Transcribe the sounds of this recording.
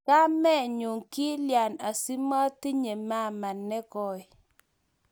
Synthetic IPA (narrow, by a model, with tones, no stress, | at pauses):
ka˦mɛ˦˨ɲu˨ŋki˦lja˨na˨si˦ma˦ti˦ɲe˨ma˦˨ma˨nːɛ˦kɔ˨ɪ˨